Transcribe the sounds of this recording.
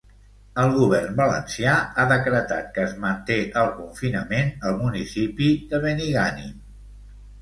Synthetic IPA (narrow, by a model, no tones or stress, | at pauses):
əlˠɣuβ̞ɛrnbələ̰nsiaaðəkɾət̪at̪̚kəːzmənt̪eʔəlˠkuɱfinəmenəlˠmunisipiðəβəniɣanḭ